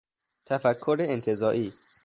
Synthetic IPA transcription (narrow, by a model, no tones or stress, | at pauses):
t̪ʰæfækʰːoɾeent̪ʰezɒːʔiː